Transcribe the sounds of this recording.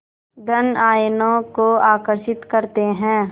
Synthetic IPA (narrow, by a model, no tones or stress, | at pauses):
d̪ɐnaːjnõkoaːkəɾʃɪt̪kɐɾt̪eɦɛ̃ː